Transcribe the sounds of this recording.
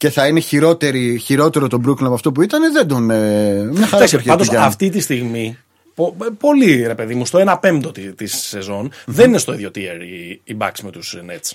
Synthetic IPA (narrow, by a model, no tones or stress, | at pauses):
ce̞θɐine̞çiɾo̞t̪e̞ɾiçiɾo̞t̪e̞ɾot̪o̞bɾuklɐpɐft̪o̞puit̪ɐneðe̞d̪onemɲɐxɐɾɐsiɐnd̪osɐɐft̪it̪ist̪iɣmi | popo̞liɾe̞pe̞ðimust̪o̞enɐpe̞md̪o̞t̪it̪isːe̞zo̞nðe̞ninest̪o̞iðjo̞t̪iḛɾiibɐ̰ksmet̪usnḛt̪s